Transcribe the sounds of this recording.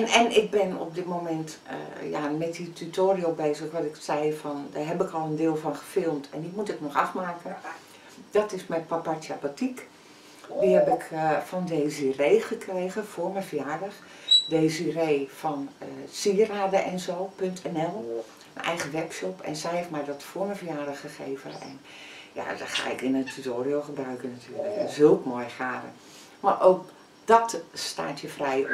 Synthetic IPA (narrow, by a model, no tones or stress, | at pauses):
ɛnɪk̚bɪnɔ̰p̚dɪtmomɛntja̰mɛt̚ditʰytʰoːriobeːzəxʋɔtɪksɛjfɔndaːrɦɛpɪkɔlˠəndɪːlˠfɔnxə̥fɪlˠmtʰɛndimutɪknɔxafmaːkən | d̥ɔtɪsmɛpapatapatik | dihɛpɪkfɔndeːzireːxəkreːɣəfʊːrmɛfəjaːdəx | deːzireːfɔnsiəraːdəʔɛnzoːpøntʰɛnɛlˠ | ənɛ̰jɣəʋɛpʃopʰɛ̰nsɛjɛfmɛjdɔtfoːməvəjaːdəxxəxḛːvə̰nɛ̰n | ja̰dɔ̰txa̰ːɪkɪnəntʰytoːrioxəbrœɥkənatʰyːəələkzølˠkmojxaːdə̰ | marʔowk̚ | d̥ɔtsta̰ːtʰjəfrɛj